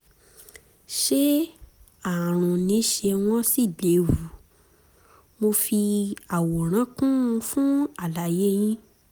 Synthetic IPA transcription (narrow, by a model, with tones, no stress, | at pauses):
ʃe˦ | a˨ɾ̃ũ˨nĩ˨˦ʃe˧w̃ɔ̃˦si˦˨de˨˦wu˨˦ | mo˧fi˧a˨wo˨ɾ̃ã˨˦kũ˦ũ˧fũ˦a˨la˨je˦j̃ĩ˦